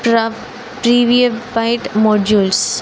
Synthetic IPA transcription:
pɾ | pɾiːʋiəbaɪʈmɔːɖuːls

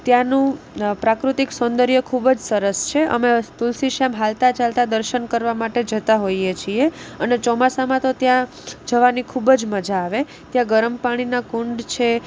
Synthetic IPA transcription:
t̪jãnũ | pɾakɾut̪iksɔnd̪əɾjəkʰubd͡ʒsəɾəst͡ʃʰeʔə̰met̪ulsiʃemɦalt̪at͡ʃalt̪ad̪əɾʃənkəɾʋamaʈed͡ʒət̪aɦoiet͡ʃʰieənet͡ʃɔmasamãt̪ot̪jã | d͡ʒəʋanikʰubd͡ʒməd͡ʒaːʋe | t̪jãɡəɾəmpaɽ̃inakuɳɖt͡ʃʰe

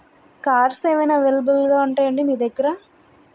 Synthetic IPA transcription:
kaːɾseːʋɐjnaːʋelbɐlɡaːuɳʈaːjɐɳɖimiːd̪ekːɐɾa

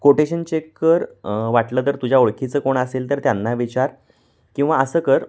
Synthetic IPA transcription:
koʈeɕənt͡ɕekːəɾʋaʈləːt̪̬əɾt̪ud͡ʑʱjaoɭkʰit͡səːkoɳəselt̪əɾt̪janːaʋit͡ɕaɾ | kĩw̃ʋaəsəːkəɾ

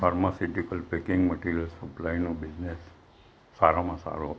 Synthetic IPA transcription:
faɾmasiʈikəlpekɪŋɡməʈiɾijəlsəplajnũbid͡ʒnesː | aɾamãsa̰ɾuɦ

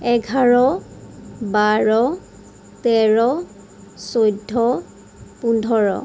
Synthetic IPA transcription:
ɛɡʱaɹɔ | baɹɔ | t̪ɛɹɔ | sojdʱːɔ | pundʱɔɹɔ̰

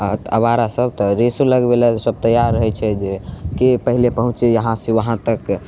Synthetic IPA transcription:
t̪əbaɾasəb̚t̪ɔɾesoləɡbelasəb̚t̪əjaɾːəɦɛt͡ʃʰɛd͡ʒekepəɦilepəɦũt͡ʃejəɦãseʋəɦãt̪ək

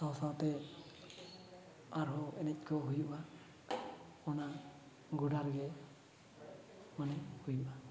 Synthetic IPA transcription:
sawsat̪ɛ | aɾɦɔɛnɛc̚ˀkʰɔɦujuʔa | ɔna | ɡuɖaɾɡɛ | manɛhujuʔa

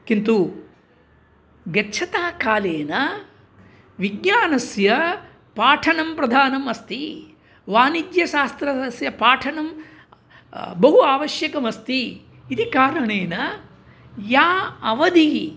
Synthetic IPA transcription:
kint̪u | ɡɐtːt͡ʃʰɐt̪aːkaːleːnɐ | ʋiɡɲaːnɐsjɐ | paːʈʰɐnɐmpɾɐd̪ʱaːnɐmɐst̪i | ʋaːnid̪jɐʃaːst̪ɾɐsjɐpaːʈʰɐɳɐm | bɐɦuaːʋɐʃjɐkɐmɐst̪i | id̪ikaːɾɐɳeːnɐ | jaːɐʋɐd̪i

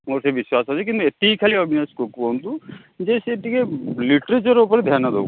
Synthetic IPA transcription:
moɾsebiswasɦot͡ʃʰik̬ĩnt̪uet̪ikʰaliɔbʱineskokpont̪u | d͡ʒeseːʈikeliʈɾet͡ʃɔɾupɔɾd̪ʱjanad̪o̰

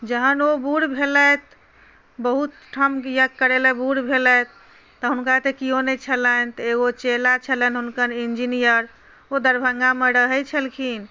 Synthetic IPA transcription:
d͡ʒəɦənobuɽbʱelət̪̚ | bəɦut̪ʈʰəmkjəkːəɾeləbuɽbʱelət̪̚ː | ɔɦunkat̪ekijonɛt͡ʃʰələnt̪ɔeɡot͡ʃelat͡ʃʰələnɦunkəɾind͡ʒinijəɾ | od̪əɾbʱəŋɡameɾəɦəjt͡ʃʰəlkʰin

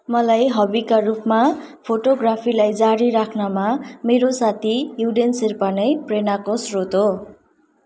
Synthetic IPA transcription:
mʌlajɦʌbikarupma | pʰoʈoɡrapʰilajd͡zaɾiɾakʰnamameɾosat̪ʰijuɖenserpanʌjprenakosrot̪ɦo

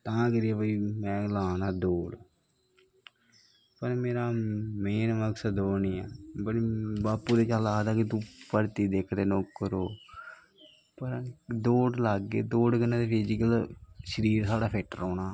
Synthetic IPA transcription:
t̪ãːkəɾɪjaːbəiːmɛ̃ːlaːnaːd̪oːɽ | pəɾmeːɾaːmeːnməksəd̪oːniːɛːbəɽibaːpːuːd̪eːt͡ʃaːlaːd̪aːkɪt̪̬ũːpəɾt̪iːd̪eːkʰt̪eːnoːkːəɾoː | pəɾd̪oːɖlaːɡːḛːd̪oːɖkənãːd̪eːpeːd͡ʒikəlʃəɾiːɾsaːɖaːpʰeːʈəɾoːnaː

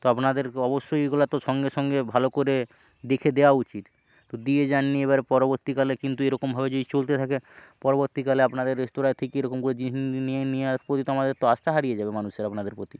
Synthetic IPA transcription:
t̪oapnad̪eɾɔboʃːojɡolat̪oʃɔŋɡeʃɔŋɡebʱalokoɾe | d̪ekʰed̪ewaut͡ɕit̪ː | od̪ied͡ʑanːieβaɾepɔɾoboɾt̪ikalekint̪ueɾɔkombʱabed͡ʑod̪it͡ɕolt̪et̪ʰakepɔɾoboɾt̪ikaleapnad̪eɾːest̪oɾaet̪ʰekeejɾɔkomkoɾed͡ʒinieniapɾot̪it̪oamad̪eɾt̪oast̪aɦaɾijed͡ʑabemanuʃeɾapnad̪eɾpɾot̪i

